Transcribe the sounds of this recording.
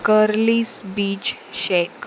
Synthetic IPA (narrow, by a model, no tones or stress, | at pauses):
kəɾliːsbiːt͡ɕ | ɕek